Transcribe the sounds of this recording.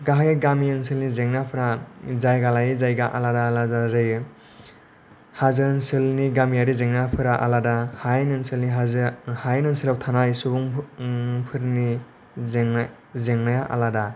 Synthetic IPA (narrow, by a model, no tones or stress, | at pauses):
ɡaɦajɡamiɯnsilnizeŋnapʰɯɾazajɡalajzajɡaʔa̰ladaladazɯj | hazɯnsɯlniɡamiaɾizeŋnapʰɯɾaʔa̰ladahajnɯnsɯlniɦazhajnɯnsilawtʰanajsubuŋ | pʰɯɾni | zeŋ | zeŋnajaʔa̰lada